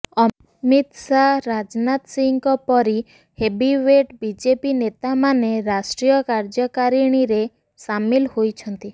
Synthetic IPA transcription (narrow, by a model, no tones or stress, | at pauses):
ɔ | mit̪saɾad͡ʒnat̪siŋkɔpɔɾi | hebiweʈbid͡ʒepinet̪amaneɾasʈɾijɔkaɾd͡ʒɔkaɾiɽ̃iɾe | samilhojt͡ʃʰɔnt̪i